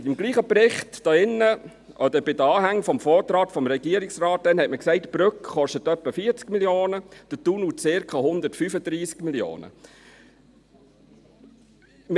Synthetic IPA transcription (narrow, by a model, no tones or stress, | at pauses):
tɪmɡliːχəprɪχtd̥ɑɪnːə | ʔɔd̪əbɪdəɑːɦæŋːfɔmfɔːt̪ɾɑːtfɔmɾɛɡiəɾɪksrɑːt̚d̥ɛnhɛtməksɛɪtb̥ɾʉkχɔʃtətœpːəfiːəɾt͡skmiljoːnəd̥ətunut͡sɪɾkʰχɑhʊnd̪ətfyfəd̪ɾiːskmiljo̰ːnə̰ | m